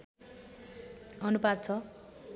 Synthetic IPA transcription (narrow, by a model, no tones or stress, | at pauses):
ʌnubad̪̚t͡sʰʌ